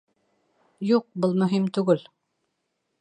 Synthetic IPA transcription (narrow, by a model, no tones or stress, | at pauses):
juq̚bɤlˠmɵ̆ɦimt̪ʉɡɘl